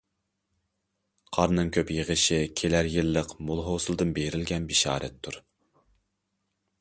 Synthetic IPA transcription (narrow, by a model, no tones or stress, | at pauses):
qʰɑɾnɨŋkʲʰøpjəʁəʃikʲʰelæɾjɪlˠːəqmolˠɦosɨlˠɨd̪ɨnbeɾɪlɡʲɛnbiʃɑ̰ːɾɛ̰t̪ʰːuɾ